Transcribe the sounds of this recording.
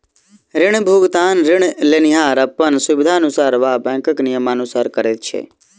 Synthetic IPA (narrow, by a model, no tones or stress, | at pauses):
ɾɪɳ̃bʱuɡt̪aːnɾɪɳ̃leniɦaːɾəpːənsʊʋɪd̪ʱaənʊsaːɾʋaːbɛ̃ːkəknɪjəmanusaːɾkəɾet̪̚t͡ʃʰḛ